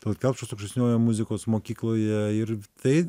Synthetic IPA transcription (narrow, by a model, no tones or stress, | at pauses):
d̪ʲɐlˠkʲɛlˠpt͡ʃosokʃʲɛsʲnʲoːjɛmʊzʲɪkoːsmoːkʲiːklˠoːjɛɪɾt̪ɐɪ